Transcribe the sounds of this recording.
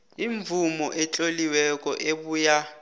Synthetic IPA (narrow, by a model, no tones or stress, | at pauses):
iɱvʱumɔʔɛt͡ɬʼoliwɛkʼɔʔeɓuːja